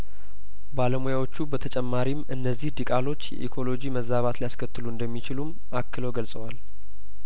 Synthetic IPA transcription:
baləmojawo̞t͡ʃːubət̪ʰət͡ʃʼɛmːaɾimɨnːəzːihd̪ikʼalo̞t͡ʃːjɛ̰ʔḭkʰo̞lo̞d͡ʒiməzːaβat̪lijaskʰət̪ːɨluɨnd̪əmːit͡ʃɪlum | akːɨləwɡəlsʼəwal

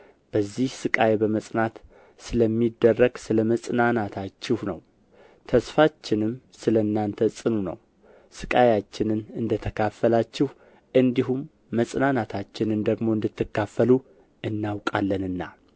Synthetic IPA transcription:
b̥əzːihsɨkʼajebəməsʼnat̪ | sɨləmːid̪ːərːəɡsɨləməsʼnanat̪ʰat͡ʃːɪhnə̰w | t̪ʰəsfat͡ʃːɪnɨm | sɨlənːant̪ʰəsʼɨnunə̰w | sɨkʼajat͡ʃːɪnɨnɨnd̪ət̪ʰəkʰafːəlat͡ʃːɪh | ʔɨnd̪iɦumː | əsʼnanat̪ʰat͡ʃːɪnɨnd̪əɡmo̞ɨnd̪ɨt̪ʰːɨkːafːəlu | ɨnːawkʼalːənɨnːa̰

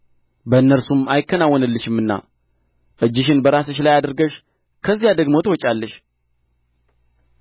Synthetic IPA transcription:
bəɨnːəɾsumajɪkːənawːɔnəlːəʃɪmːɨnːa̰ | ʔɨd͡ʒːɪʃ̬ɪnbəɾas̬əʃlajad̪əɾɡəʃ | kʰəzːijad̪əɡmo̞t̪əwɔt͡ʃʼalːəʃ

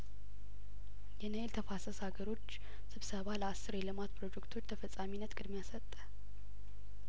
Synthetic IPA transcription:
jɛnəelt̪ʰəfasəsaɡəɾo̞t͡ʃː | sɨβsəβaləasːɨɾelɨmat̪pʰɾo̞d͡ʒekt̪ʰo̞t͡ʃːt̪ʰəfəsʼaminːət̪kʼɨd̪mjasət̪ʼːə

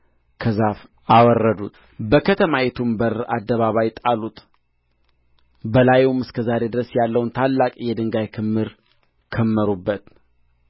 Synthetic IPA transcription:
kʰəzaf | awɔrːəd̪ut̪ | bəkʰət̪ʰəmajɛt̪ʰumbəɾad̪ːəβaβajt̪ʼalut̪ | bəlajumɨskʰəzaɾe̞d̪ɨɾəsjalːəwunt̪ʰalːakʼjɛd̪ɨŋɡajkʰɨmːɨɾ | kʰəmːəɾubːət̪

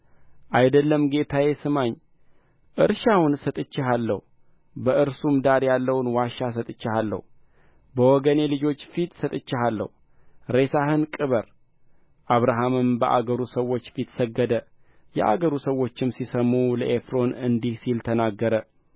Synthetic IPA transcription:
ʔajd̪əlːəmɡe̞t̪ʰaje̞sɨmaɲ | ʔɨɾʃawʊnsət̪ʼɨt͡ʃːɪɦalːə̰hu | bəʔɨɾsumd̪aɾjalːəwnwaʃasət̪ʼɨt͡ʃːɪhalːə̰h | bəwɔɡəne̞lɨd͡ʒo̞t͡ʃːfit̪sət̪ʼɨt͡ʃːɪhalːə̰h | ɾesaɦɨnkʼɨβəɾ | ʔaβɾaɦamɨmbəʔa̰ɡəɾusəwːo̞t͡ʃːfit̪səɡːəd̪ə | jɛ̰ʔa̰ɡəɾusəwːo̞t͡ʃːɪmsisəmuləʔefɾo̞nɨnd̪ihsilt̪ʰənaɡːəɾə

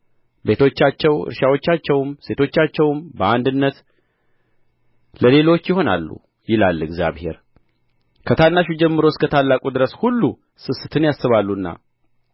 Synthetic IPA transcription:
be̞t̪ʰo̞t͡ʃːat͡ʃːɛwɨ̰ɾʃawo̞t͡ʃːat͡ʃːɛwmse̞t̪ʰo̞t͡ʃːat͡ʃːɛwmbəand̪ɨnːət̪ | ləle̞lo̞t͡ʃːjɪho̞na̰lːṵ | jɪlalːɨɡzja̰βhe̞̰ɾ | kʰət̪ʰanːaʃud͡ʒɛmːɨɾo̞skʰət̪ʰalːakʼud̪ɨɾəshulːu | sɨsɨt̪ʰɨnjasːɨβalːuɨnːa̰

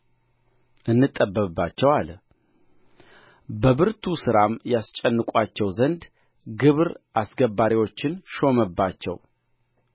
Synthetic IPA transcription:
ʔɨnːɨt̪ʼːəbːəbːat͡ʃːɛwal | bəβɨɾt̪ʰusɨɾamjast͡ʃʼɛnːɨkʼat͡ʃːɛwzənd̪ | ɡɨβɾʔasɡəbaɾiwo̞t͡ʃːɪnʃo̞məbːat͡ʃːɛ̰w

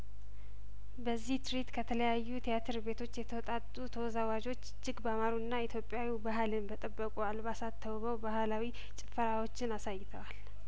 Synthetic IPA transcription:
bəzːiht̪ʰɾit̪kʰət̪ʰələjajːut̪ʰijat̪ʰɨɾbe̞t̪ʰo̞t͡ʃːjɛt̪ʰəwɔt̪ʼat̪ʼːut̪ʰəwɔzawad͡ʒo̞t͡ʃːd͡ʒɪɡbamaɾuɨnːait̪ʰjo̞pʼjawibaɦlɨnbət̪ʼəbːəkʼualbasat̪ʰːəwβəwbahlawi | t͡ʃʼɪfəɾawo̞t͡ʃːɪnasajːɪt̪ʰəwal

